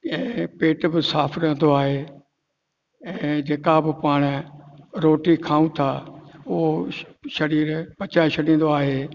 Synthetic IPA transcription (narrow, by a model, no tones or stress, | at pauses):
ɛ̃ːpeːʈbɪsaːpʰɾɐ̃n̆d̪oaːɦeː | ɛ̃ːd͡ʑeːkabɪpaːɽ̃ | ɾoːʈikʰaːũt̪ʰaʊɦoʃɐɽiːɾpɐt͡ɕaʃɐɽĩːn̆d̪oaːɦeː